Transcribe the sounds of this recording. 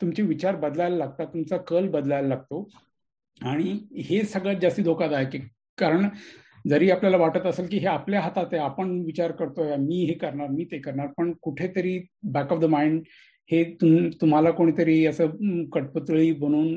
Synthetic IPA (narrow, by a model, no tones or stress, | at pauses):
t̪umt͡ɕiʋit͡ɕaɾbəd̪lajlalaɡ̚t̪at̪umt͡sakəlbəd̪lajlalaɡ̚t̪o | aɽ̃ihesəɡɭd͡zast̪iːd̪ʱokad͡z̪aɦeki | kaɾəɳ | d͡zəɾiːapljalaʋaʈət̪əseːlkiːɦeapljaɦat̪at̪eapəɳʋit͡ɕaɾkəɾt̪ojamiːɦekəɾɳaɾmiːt̪ekəɾɳaɾpəɳkuʈʰet̪əɾiːbækɔfd̪əmaiɳɖ | het̪umt̪um̤alakoɽ̃iːt̪əɾiːəsəːkəʈ̚pət̪ɭiːbʱəɽ̃uːn